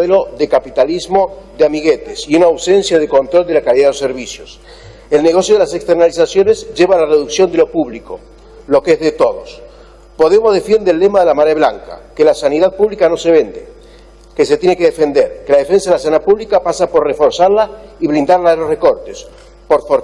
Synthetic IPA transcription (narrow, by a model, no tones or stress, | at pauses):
elo̞ðekapit̪alizmo̞ðeamiɣet̪esiunaːwse̞nsjaðeko̞nt̪ɾo̞ld̪e̞lakaliðaðeoseɾβisjos | e̞lne̞ɣ̞o̞sjoð̞elasekst̪eɾnalisasjo̞nezʒe̞βalareðuksjo̞nd̪elopuβliko̞ | lo̞keezðet̪o̞ðo̞s | po̞ðe̞mo̞zðe̞fje̞nd̪elːe̞maðelamaɾeβlaŋka̰kelasaniðaðpuβlikano̞se̞β̞e̞nd̪ḛ | ke̞set̪je̞nekeðefe̞nd̪e̞ɾkelaðefe̞ns̬aðelasanapuβlikapasapo̞ɾrefo̞ɾsaɾlaiβlind̪aɾlaðelo̞sre̞ko̞ɾt̪es | po̞ɾfoɾ